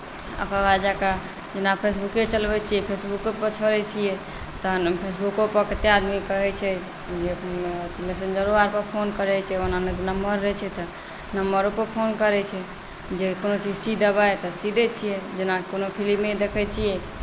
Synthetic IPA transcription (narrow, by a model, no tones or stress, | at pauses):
ə̰kabad͡ʒaka | d͡ʒenapʰesbukːet͡ʃəlbɛt͡ʃʰijɛpʰesbukːopət͡ʃʰəɾɛt͡ʃʰijɛ | t̪ɔpʰesbukopəkt̪ead̪mikəɦɛt͡ʃʰɛ | d͡ʒet̪lesend͡ʒəɾoaɾpəɾpʰonkəɾɛt͡ʃʰɛonanet̪nəmːəɾːɛt͡ʃʰɛt̪ɔ | nəmbəɾupəɾpʰonkəɾɛt͡ʃʰɛ | d͡ʒekonot͡ʃid͡ʒsid̪ʱəbaet̪ɔsid̪ʱɛt͡ʃʰijɛd͡ʒenakonopʰilimed̪ekʰɛt͡ʃʰijɛ